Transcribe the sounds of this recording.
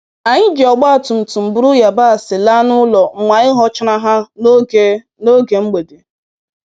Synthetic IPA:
a˨ɲɪ˦d͡ʒi˨ɔ˨ɡ͡ba˦a˨tu˨n̩˨tu˨m̩˨bʊ˦ɾʊ˦ja˨ba˦a˨sɪ˨la˦nʊ˦lɔ˨ŋ͡m̩˨mʷa˨ɪ˦ɦɔ˦t͡ʃɪ˦na˦ɦa˦ | no˦ɡe˨ŋ͡m̩˦ɡ͡be˨de˨

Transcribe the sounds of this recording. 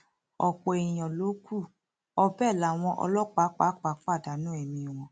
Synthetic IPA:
ɔ̰˨k͡pɔ˨e˨j̃ɔ̃˨lo˨˦ku˦˨ | ɔ˧bɛ˦˨la˨w̃ɔ̃˧ʔɔ̰˧lɔ˦k͡pa˨˦k͡pa˨˦k͡pa˨˦k͡pa˦˨da˨˦nũ˨˦ɛ˦˨mĩ˧˨w̃ɔ̃˧

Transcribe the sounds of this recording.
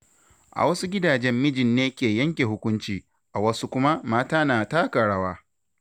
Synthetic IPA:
ʔa̰˨wɐ˦su˦ɡʲɪ˦daː˨d͡ʒɛ˦mːɪ˦d͡ʒɪ˨nːeː˦kʲeː˨jɐ˦ŋkʲe˨ɦʊ˦kʷʊ˦nt͡ʃiː˨ | ʔa˨wɐ˦su˦kʷʊ˦ma˦maː˦taː˦naː˨taː˦kɐ˨ɽaː˦waː˦

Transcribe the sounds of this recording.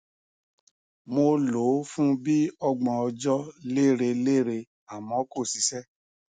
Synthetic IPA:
mo˧lo˨˦fũ˦bi˦ɔ˧ɡ͡bɔ̃˧ɔ˧d͡ʒɔ˦le˦˨ɾe˧le˦˨ɾe˧ | a˨mɔ̃˨˦ko˦˨si˨˦sɛ˦

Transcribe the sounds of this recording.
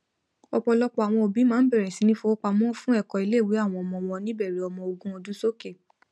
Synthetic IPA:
ɔ˧k͡pɔ˧lɔ˦k͡pɔ˧˨a˨w̃ɔ̃˧o˧bi˨˦mãː˦n̩˦bɛ˦˨ɾɛ˨sĩ˨˧nĩ˦fo˧o˦k͡pa˧mɔ̃˦fũ˦ɛ˦˨kɔ˧i˧le˦˨wi˨˦a˦˨w̃ɔ̃˧ɔ˧mɔ̃˧wɔ̃˧nĩ˦bɛ˦˨ɾɛ˨ɔ˧mɔ̃˧o˧ɡũ˦o˧dũ˦so˦ke˦˨

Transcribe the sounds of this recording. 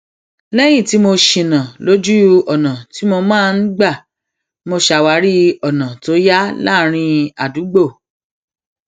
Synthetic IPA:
lɛ˦j̃ĩ˦˨ti˨˦mo˧ʃĩ˧˨nã˨lo˦d͡ʒu˦ɔ˨nã˨ti˨˦mo˧mãː˦˧n̩˦ɡ͡ba˦˨ | mo˧ʃa˧wa˧˦ɾi˦ɔ˨nã˨to˨˦ja˦la˦˨ɾ̃ĩ˧a˨du˨˦ɡ͡bo˦˨

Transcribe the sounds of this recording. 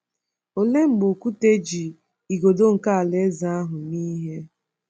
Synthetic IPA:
o˨le˦ŋ͡m̩˨ɡ͡bo˨ku˦te˦d͡ʒi˨ | i˨ɡo˨do˦ŋ̩˨ka˦a˨le˦za˦a˦ɦʊ˨niː˦ɦe˦

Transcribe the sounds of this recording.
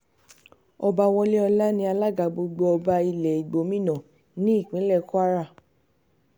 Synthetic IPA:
ɔ˧ba˧w̃ɔ̃˧le˦ɔ˧la˦nĩ˧˦a˧la˦ɡa˨˧ɡ͡bo˧ɡ͡bo˧ɔ˧ba˧i˧lɛ˨i˨ɡ͡bo˨˦mĩ˦˨nã˨ | nĩ˦i˦˨k͡pĩ˨˦lɛ˦˨ku˦a˦ɾa˦˨

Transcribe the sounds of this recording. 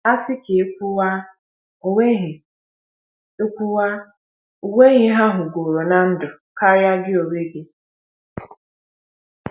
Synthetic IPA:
a˦sɪ˦ke˨˦kʷu˦wa˦ | e˦ɦ | e˦kʷu˦wa˦ | u˨we˦ɣɪ˦ɦa˦ɦʊ˨ɡo˨ɾo˨na˦n̩˦dʊ˨ka˦ja˦ɡɪ˦o˨we˦ɡɪ˦

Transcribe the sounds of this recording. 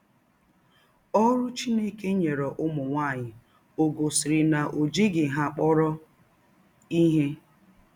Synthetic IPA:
ɔ˦ɾʊ˦t͡ʃi˦ne˦ke˦ɲe˨ɾɔ˨ʔʊ˦mʊ˨ŋʷa˦˨ɲɪ˨ | o˨ɡo˨sɪ˨ɾɪ˨na˨ʔo˨d͡ʒi˦ɡɪ˨ɦa˦k͡pɔ˦ɾɔ˦ | i˦ɦe˦

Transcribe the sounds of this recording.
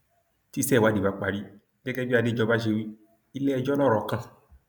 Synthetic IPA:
ti˦sɛ˦˨wa˨˦de˨ba˦k͡pa˨ɾi˦ | ɡɛ˦ɡɛ˦bi˦a˧˨de˦d͡ʒɔ˧ba˦ʃ̬e˧wi˦ | i˦lɛ˦ɛ˧˨d͡ʒɔ˦lɔ˦˨ɾɔ˨kã˧˨

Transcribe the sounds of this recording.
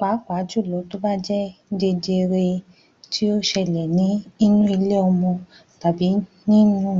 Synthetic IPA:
k͡pa˨˦kʷa˨˦d͡ʒu˦˨lɔ˨˦to˦ba˦d͡ʒɛ˦de˧d͡ʒe˧ɾe˧ | tʰi˦o˦ʃɛ˧˨lɛ˨nĩ˨˦i˦nũ˦i˧le˦ɔ˧mɔ̃˧ | ta˨bi˨˦ | nĩ˦nũ˦

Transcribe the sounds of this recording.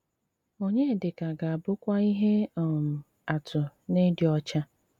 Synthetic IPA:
o˦ɲe˦˨dɪ˨ka˨ɡa˨a˨bʊ˦kʷa˦i˦ɦe˦ɔ˨m̩˨ | a˨tʊ˨ne˦dɪ˨ɔ˦t͡ʃa˦

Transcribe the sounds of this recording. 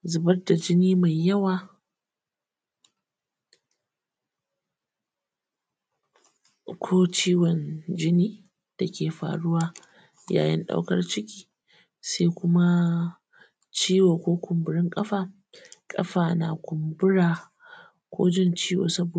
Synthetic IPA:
zʊ˨bɐ˦rda˨d͡ʒɪ˦niː˦ma˨jːɐ˦waː˨ | kʷʰoː˦t͡ʃiː˦wɔ˨nd͡ʒɪ˦niː˦ | d̥a˨kʲeː˨ɸa̰ː˨ɽʊ˦waː˦ | ja̰ː˨jɪ̰˦nɗa̰˦wkɐ̰˦rt͡ʃɪ˦kʲiː˨ | sa˦jkʷʊ˦ma˦ | t͡ʃiː˦woː˨kʷoː˦kʷʊ˨mbʊ˨ɾɪ˦ŋkʼɐ˦ɸaː˨ | kʼɐ̰˦ɸaː˨naː˨kʷʊ˨mbʊ˦ɽaː˨ | kʷo̰ː˦d͡ʒɪ˦˨nt͡ʃiː˦wo̰ː˨sɐ˦bo˨

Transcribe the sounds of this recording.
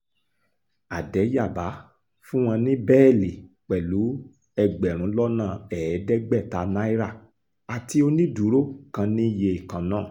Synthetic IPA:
a˨dɛ˨˦ja˦˨ba˨˦ | fũ˦w̃ɔ̃˧nĩ˦bɛː˦˨li˨ | k͡pɛ˨lu˨˦ | ɛ˧ɡ͡bɛ˨ɾ̃ũ˨˦lɔ˦nã˦˨ɛ˨˦dɛ˦ɡ͡bɛ˦˨ta˨na˦i˦ɾa˦˨ | a˨ti˧˦o˧nĩ˦du˨˦ɾo˦kã˧nĩ˦je˧i˨kã˨nãː˦˨

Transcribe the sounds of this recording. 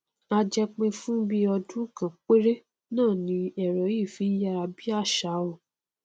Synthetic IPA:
a˧d͡ʒɛ˧k͡pẽ˧fũ˦bi˦ɔ˧dũ˦˨kã˨k͡pe˦ɾe˦ | nãː˦˨nĩ˨˧˦ɛ˦˨ɾɔ˨˦i˦˨fi˨˦ja˧ɾa˧bi˦a˦˨ʃa˨˦wɔ˦˨

